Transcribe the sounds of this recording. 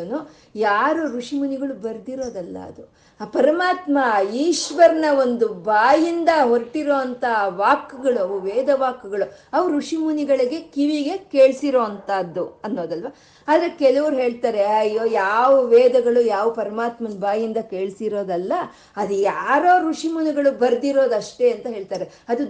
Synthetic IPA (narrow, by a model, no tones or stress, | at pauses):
nu | jaːɾoɾuʂimuniɡɐɭubɐɾd̪iɾo̞ːd̪ɐlːɐ̰ɐ̰d̪u | pɐɾɐmaːt̪mɐiːʃʋɐɾnɐo̞nd̪ubaːjind̪ɐɦoɾʈiɾoːɐnt̪ɐʋaːkːuɡɐɭuɐʋuʋɛːd̪ɐʋaːkːuɡɐɭuɐʋɐɾuʂimuniɡɐɭɐɡe̞kiʋiɡe̞ke̞ːɭsiɾo̞ːɐnt̪aːd̪ːuɐnːo̞ːd̪ɐlʋa | aːd̪ɐɾekɛlɐʋɐɾuɦe̞ːɭt̪aːɾeɐjːoːjaːʋɐʋɛːd̪ɐɡɐɭujaːʋɐpɐɾɐmaːt̪mɐnbaːjind̪ɐkeːɭsiɾo̞ːd̪ɐlːɐ | ɐd̪ujaːɾo̞ːɾuʂimuniɡɐɭubɐɾd̪iɾo̞ːd̪ɐʂʈe̞ɐnt̪ɐɦe̞ːɭt̪aːɾeɐd̪u